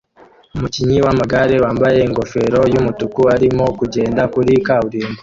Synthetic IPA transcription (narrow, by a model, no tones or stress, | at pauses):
umuciɲiwamaɡaɾewaːmbaje̞iŋɡo̞fe̞ɾo̞jumutukuaɾimo̞kuɟe̞ːndakuɾikawuɾiːmbo